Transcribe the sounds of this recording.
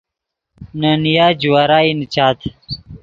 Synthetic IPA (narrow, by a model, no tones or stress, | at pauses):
nənijaːd͡ʑuwaːɾaːint͡ɕaːt̪ʰ